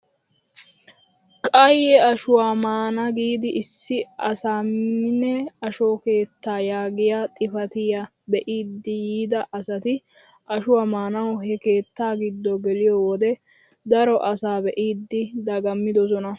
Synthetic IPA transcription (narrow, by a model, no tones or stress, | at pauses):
kʼɐjɛɐʃʊwaːmaːnɐɡiːd̪ɪʔɪsːɪɐ̰saːmɪnɛɐʃoːke̞ːt̪ːaːjaːɡɪjat̪ʼɪfɐt̪ɪjɐ | bɛʔiːd̪ːɪjiːd̪ɐʔɐsɐt̪ɪ | ʔɐʃʊwamaːnɐwɦɛke̞ːt̪ːaːɡɪd̪ːɔɡɛlɪjɔwɔd̪ɛ | d̪ɐɾɔʔɐsaːbɛʔiːd̪ːɪd̪ɐɡɐmːɪd̪ɔsɔnɐ